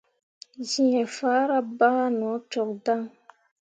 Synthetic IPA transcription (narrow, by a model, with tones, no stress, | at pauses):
zi˨ɛ̃˨faː˨˦ɾa˦ba˦a˦nɔ˨˦t͡ʃɔ˨k̚da˦ŋ